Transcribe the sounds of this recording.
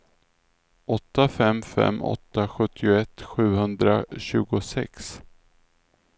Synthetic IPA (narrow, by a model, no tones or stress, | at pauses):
ʔɔt̪ːafɛmfɛ̰mːɔ̰t̪ːaɧɵt̪ʰːɪʊɛt̪ːɧʉ̟ːhɵnd̪ɾa̰ɕʉ̟ːɡʊsɛ̰ks